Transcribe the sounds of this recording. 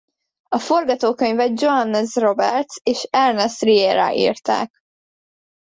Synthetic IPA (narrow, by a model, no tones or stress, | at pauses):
ɒfo̞rɡɒt̪oːkøɲvɛd͡ʒoɦɑnːɛzro̞bɛ̰rt̪seːʃɛrnɛst̪rijeːɾa̰ːʔḭːrt̪a̰ːk